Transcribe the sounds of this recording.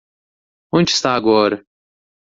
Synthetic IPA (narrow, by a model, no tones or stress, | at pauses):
õnd͡ʒɪst̪aːɡɔɾɐ